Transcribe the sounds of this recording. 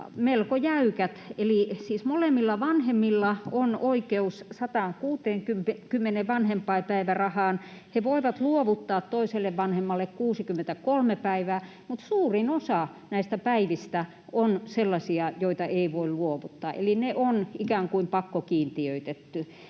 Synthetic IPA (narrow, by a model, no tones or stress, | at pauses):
melkojæykæt̪elisiːsmolemːilːɑʋɑnhemːilːɑonoikeussɑt̪ɑːŋkuːt̪eːŋkymkymːeneʋʋɑnhempɑipæiʋærɑhɑːn | heʋoiʋɑt̪luoʋut̪ːɑːt̪t̪oiselːeʋʋɑnhemːɑlːekkuːsikymːent̪ækolmepæiʋæː | mut̪suːrinosɑnæist̪æpæiʋist̪æ | onselːɑsiɑjoit̪ɑʔeiʋoilluoʋut̪ːɑ̰ːʔḛlineʔonikæːŋkuimpɑkːokiːnt̪iøit̪et̪ːy